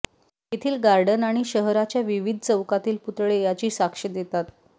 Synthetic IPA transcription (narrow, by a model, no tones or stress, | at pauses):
it̪ʰiːlɡaɾɖənaɽ̃iɕəɦɾat͡ɕjaʋiʋid̪ʱt͡səwkat̪iːlput̪ɭejat͡ɕiːsakʂid̪et̪at̪